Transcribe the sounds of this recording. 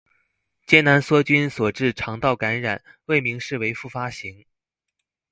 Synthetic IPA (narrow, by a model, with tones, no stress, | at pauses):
t͡ɕjɛ˥na˧˥nswɔ˥t͡ɕy˥nswɔ˨˩ʈ͡ʂɻ̩˥˩ʈ͡ʂʰɑ˧˥ŋt̪ɑ˥˩ʊka˧˥nɻa̰˨˩˦n | we˥˩ɪmi˧˥ŋʂɻ̩˥˩we˧˥ɪfu˥˩fa˥ɕi˧˥ŋ